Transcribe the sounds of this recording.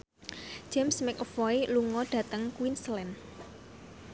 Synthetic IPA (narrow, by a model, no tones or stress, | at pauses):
d͡ʒ̥ɛmsmɛk̚ɔfɔiluŋɔɖ̥ä̤t̪əŋkwinslɛn